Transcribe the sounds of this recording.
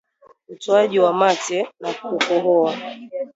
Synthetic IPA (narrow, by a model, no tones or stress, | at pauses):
utɔaʄiwamatɛnakukɔɦɔa